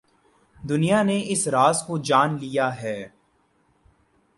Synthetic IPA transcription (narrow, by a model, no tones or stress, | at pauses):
d̪ʊnijaneʔɪsɾaːzkod͡ʒaːnlijaɦɛː